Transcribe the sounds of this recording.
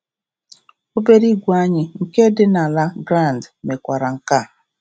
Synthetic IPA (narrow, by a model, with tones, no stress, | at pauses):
o˦be˦ɾi˦ɡʷu˨a˦ɲɪ˨ŋ̩˨ke˦dɪ˦na˨la˦ɡɾa˦˨n˨dme˨kʷa˨ɾa˨ŋ̩˨ka˦˨